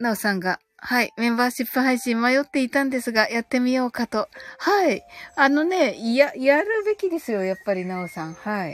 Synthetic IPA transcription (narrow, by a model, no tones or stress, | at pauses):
naosãŋɡa | haimẽ̞mbaːɕipːɯ̟ɦaiɕĩmmajo̞t̪ːe̞it̪ãnd̪e̞sɨɡajat̪ːe̞mʲijo̞ːkat̪o̞haiano̞ne̞ijajaɾɯ̟be̞kʲid̪e̞sɨjo̞japːaɾʲinaosãŋ̃hai